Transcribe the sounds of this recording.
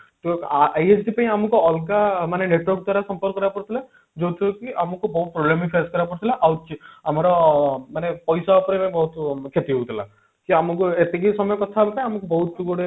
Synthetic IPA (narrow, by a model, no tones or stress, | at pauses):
t̪ajesʰʈipaĩamɔkuɔlkamaneneʈwɔɾk̚d̪waɾasɔmpɔɾkːɔɾapɔɽt̪ʰila | d͡ʒowt̪ʰiokiʔamɔkubɔɦut̪̚pɾoblemipʰeskɔɾapɔɾut̪ʰilaʔaut͡ʃiamaɾɔmanepɔjsaɔpɔɾepaĩbɔɦut̪kʰet̪iɦowt̪ʰila̰ | kiamɔkuet̪ekisɔmɔjɔkɔt̪ʰabepaĩamɔkubɔɦut̪ːuɡɔɽe